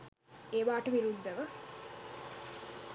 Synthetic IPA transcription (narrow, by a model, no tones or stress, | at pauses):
eːʋaːʈəʋiɾud̪ːəʋə